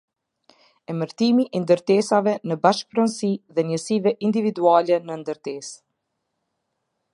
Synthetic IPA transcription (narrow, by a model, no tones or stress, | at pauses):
ɛməɾt̪imiʔɛnd̪əɾt̪ɛsavɛnəbaʃk̚pɾɔnsiðɛnɲəsivɛʔind̪ivid̪ualɛnənd̪əɾt̪ɛs